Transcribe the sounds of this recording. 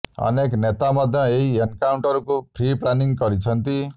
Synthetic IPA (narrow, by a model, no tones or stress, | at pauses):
ʌ̰neknet̪amʌd̪ʱjʌ̃eɦienkawɳʈʌɾukopʰriplaniŋɡʌɾit͡sʰʌnt̪i